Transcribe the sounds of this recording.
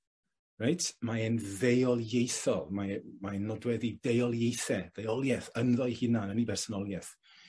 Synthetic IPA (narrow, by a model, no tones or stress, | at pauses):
rajtʰmaɛnðejɔlˠjejθɔlˠmamanːɔdwɛðidejɔlˠjejθɛðejɔlˠjɛθənðɔjhɪnanənibɛrsɔnɔlˠjɛθ